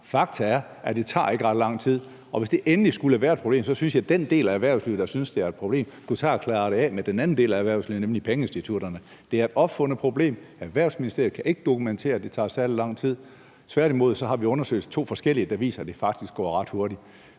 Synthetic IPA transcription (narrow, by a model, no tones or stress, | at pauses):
fɑ̈ɡ̥̚t͡sʰɐæɐ | æd̥e̝t͡sʰɑ̰̈ːe̝ɡ̥əʁɑ̈d̥lɑ̈ŋ̰t͡sʰið̞̰ˠ | ɒ̽ʋe̝sd̥e̝ʔenəlisɡ̥uləʋæːɐe̥pʰʁob̥e̝̰ːmsɒ̽synsjɑ̈ɪd̥end̥e̝̰ːlææʋæɐʊsliːʊð̩̥ˠɑ̈synsd̥e̝æɐed̥̚pʰʁo̝b̥e̝̰ːmsɡ̥ut͡sʰɑ̰̈ækʰlɑ̈ːɾ̥eɛmed̥enænn̩de̝̰ːlææʋæɐʊslḭːʊnemlipʰeŋəesd̥it͡sʰuɾ̥ɐnə | d̥e̝æɐe̝d̥ɒ̽b̥fɔ̽nð̩əpʰʁo̝b̥le̝̰ːmæʋæɐ̰ʊsminisd̥e̝ɐðˠkʰæʔe̝ɡ̥əd̥o̝kʰument͡sʰe̝̰ːɐæd̥e̝t͡sʰɑ̰̈ːsæɐ̰lilɑ̈ŋ̰t͡sʰið̰ˠ | t͡sʰʋæɐ̰ɾ̥imo̝ð̞̰ˠsɒ̽ɦɑ̈ʋiɔ̽nɐsø̰ɪ̰d̥t͡sʰo̝̰ːfɒ̽sɡ̥el̰iəd̥ɑ̈ʋḭːsɐæd̥e̝fɑ̈ɡ̥̚d̥isɡ̥ɒ̰ːʁɑ̈d̥ho̝ɐɾi̥